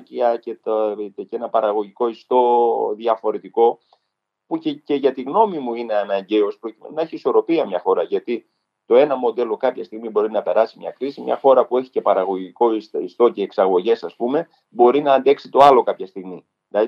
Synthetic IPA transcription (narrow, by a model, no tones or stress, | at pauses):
ciɐcet̪eit̪ecenɐpɐɾɐɣo̞ʝiko̞ist̪o̞ðjɐfo̞ɾe̞t̪iko̞ | pucece̞ʝɐt̪iɣno̞mimuineenɐeɲɟe̞o̞spɾo̞cimenunɐeçiːso̞ɾo̞piɐmɲɐxo̞ɾɐʝɐt̪i | t̪o̞e̞nɐmo̞d̪e̞lo̞kɐpçɐst̪iɣmibo̞ɾinɐpe̞ɾɐsimɲɐ̰kɾisimɲɐ̰xo̞ɾɐpue̞çi̥ce̞pɐɾɐɣo̞ʝiko̞ist̪o̞ce̞ːksɐɣo̞ʝe̞sɐspume̞ | bo̞ɾinɐːnd̪e̞ksit̪o̞ɐlo̞kɐpçɐst̪iɣmi | lɐ